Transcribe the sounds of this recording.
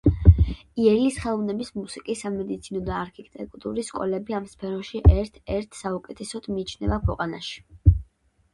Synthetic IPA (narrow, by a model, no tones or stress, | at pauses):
iɛlisχɛlˠɔvnɛbismusikʼisːamɛd̪it̪sʰinɔd̪aːɾkʰit̪ʼɛkʼt̪ʼṵɾiskʼɔ̰lɛbiamspʰɛɾɔʃiʔɛɾt̪ʰɛɾt̪ʰsaukʼɛt̪ʰɛsɔd̪̥miːt͡ʃʰnɛvakʰwɛqʼanaʃi̥